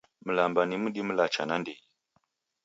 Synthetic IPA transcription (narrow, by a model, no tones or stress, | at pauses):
m̩lambanimuɗim̩lat͡ʃa̰nandiji